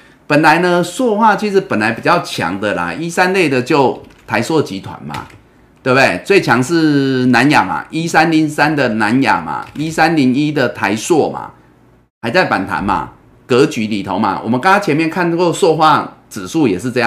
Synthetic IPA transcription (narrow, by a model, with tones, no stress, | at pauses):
pə˨˩nla˨˦ɪnə˧swɔ˥˧xwa˥˩t͡ɕʰi˧˥ʂ̬ɻ̩˧˦pə˨˩nla˨˦ɪpi˨˩t͡ɕja˥˩ʊt͡ɕʰjɑ̰˧˦ŋd̪ə˨la̰˨˩i˦sa˦nle˥˩ɪd̪ə˨t͡ɕjo˥˩ʊt̪ʰa˧˦ɪswɔ˥˧t͡ɕi˨˥t̪ʰwa̰˨˧˦nma̰˨˩ | t̪we˥˩bd̪e˥˩ɪt͡swe˥˩ɪt͡ɕʰjɑ˧˦ŋʂɻ̩˥˧na˧˦nja̰˨˩ma̰˨ʔi˦˥sa˦nli˨˦ŋsa˦nd̪ə˨na˧˦nja̰˨˩ma̰˨˩i˦sa˦nli˨˦ŋi˦˥d̪ə˨t̪ʰa˧˦ɪswɔ˥˩ma̰˩ | ha˧˥ɪt͡sa˥˩ɪpa˨˩nt̪ʰa̰˨˦nma̰˨ | kɤ˨˧˦t͡ɕy˧˥li˨˩t̪ʰo˧˦ʊma̰˦wʔɔ˨˩mə˦nka˥ŋa˥t͡ɕʰɛ˧˦mjɛ˥˨nkʰa˥˧n˧kwɔ˥˧swɔ˥˧xwa˥˧t͡sɹ̩˨˩ʂu˥˩jɛ˨˩ʂ̬ɻ̩˥˧t͡sɤ˥˧ja˥˨